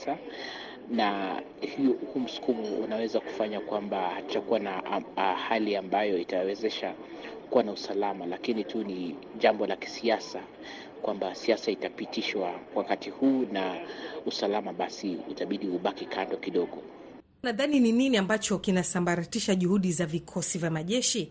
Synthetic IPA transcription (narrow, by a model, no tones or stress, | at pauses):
a | na | huhuːm̩su̥kumuṵnawɛzaku̥faɲakwambahat͡ʃakuwanahaliambajɔitawɛzɛʃa | kuwanausalamalakinitʰuni | ʄambɔlaki̥siasa | kwambasiasaitapitiʃwawakatihuːnausalamaɓasiṵtaɓiɗihuɓakikandɔkiɗɔɠɔ | naðaninininiambat͡ʃɔkinasambaɾatiʃaʄuhuɗizavikʰɔsivjamaʄɛʃi